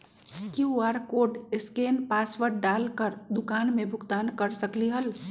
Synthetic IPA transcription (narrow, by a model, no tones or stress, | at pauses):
kiuaːɾkoːɖɪskeːnpaːswəɾɖaːlkəɾd̪ʊkaːnmẽbʱʊɡt̪aːnkəɾsəkliɦəl